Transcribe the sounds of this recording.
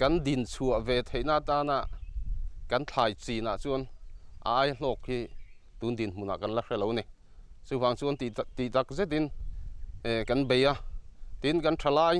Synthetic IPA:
kɐ˦ndi˨nt͡sʰu˨əʔvɛ˨t̪ʰe˨jnaː˧˨t̪aː˧na˧˨ʔ | kɐ˨˦nt͡ɬʰaː˨˩jt͡si˨na˨ʔt͡su˧˦nʔaː˧˦jɬɔː˧˩khi˧ | t̪u˨˦nd̪i˨nm̥u˨na̰˨kɐ˦nla˦ʂɛ˧˨lo˨˦wnɛ˨ | t͡su˧˦vaː˨˧˨ŋt͡su˧˦n˨t̪i˨t̪a˧˦k̚zɛ˦t̪i˦n˧ | kɐ˨˦nbe˨ja˧˨t̪i˧˦nkɐ˦ntʰa˧laː˧˨j

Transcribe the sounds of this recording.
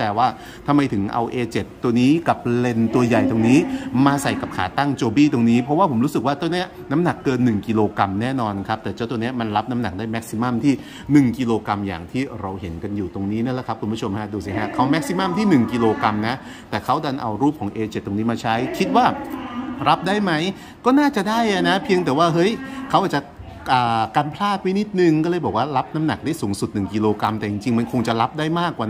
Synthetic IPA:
t͡ɕa˧waː˥˩ | t̪ʰa˧ma˧jt̪ʰɯ˩˦ŋʔa̰˧wʔeː˧t͡ɕe˨˩t̪ːu˧ɐniː˦˥ka˨˩p̚le˧nt̪u˧ɐja˨˩jt̪o˧ŋniː˦˥maː˧sa˨˩jka˨˩p̚kʰa̰ː˩˦t̪a˥˩ŋt͡ɕoː˧biː˥˩t̪o˧ŋniː˦˥pʰɾɔ˦˥waː˥˩pʰo˩˦mɾuː˦˥sk̚waː˥˩t͡ɕ̪a˧ni˦˥ɐ | na˦˥mna˨˩kːɤː˧nːɯ˨˩ŋki˧loː˧ka˧mnɛː˥˩nɔː˧nkʰa˦˥p̚t̪ɛː˨˩t͡ɕa˥˩t̪u˧ni˦˥ɐ˩ma˧nɾa˦˥p̚na˦˥mna˨˩k̚daː˥˩jmɛ˦˥k̚si˧ma˥˩mt̪ʰiː˥˩ | nɯ˨˩ŋki˧loː˧ka˧mja̰ː˨˩ŋt̪ʰiː˥˩ɾa˧wɦe˩˦nka˧njuː˨˩t̪o˧ŋniː˦˥na˥˩la˧˩kʰa˦˥p̚kʰu˧npʰu˦˥t͡ɕʰo˧mha˦˥duː˧s̬i˨˩ɦa˦˥kʰa˦˥wmɛ˦˥k̚si˧ma˥˩mt̪ʰiː˥˩nɯ˨˩ŋki˧loː˧ka˧mna˦˥ʔ | t̪ɛː˨˩kʰa˦˥wda˧nʔa̰˧wɾuː˥˩p̚kʰɔː˩˦ŋʔeː˧t͡ɕe˨˩t̪ːo˧ŋniː˦˥maː˧t͡ɕʰa˦˥jkʰi˦˥t̪̚waː˥˩ɾa˦˥p̚daː˥˩jma˦˥j | kɔː˥˩naː˥˩t͡ɕa˨˩daː˥˩ja˧˩na˦˥pʰi˧əŋt̪ɛː˨˩waː˥˩ɦɤ˦˥jkʰa˦˥wʔaː˨˩t͡ɕa˨˩ | ʔaː˨˩ka˧npʰlaː˥˩t̪̚ma˦˥ni˦˥t̪̚nɯ˨˩ŋkɔː˥˩lɤː˧jbɔː˨˩k̚waː˥˩ɾa˦˥p̚na˦˥mna˨˩k̚daː˥˩jsuː˩˦ŋsu˨˩t̪̚nɯ˨˩ŋki˧loː˧ka˧mt̪ɛː˨˩t͡ɕi˧ŋt͡ɕi˧ŋma˧nkʰo˧ŋt͡ɕa˨˩la˦˥p̚daː˥˩jmaː˥˩kːwaː˨˩

